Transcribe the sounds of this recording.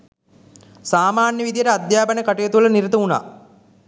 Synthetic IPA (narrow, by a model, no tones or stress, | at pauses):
saːmaːnjəʋid̪ijəʈəad̪jaːpɐnəkaʈujət̪uʋlɐniɾit̪ɐuna̰ː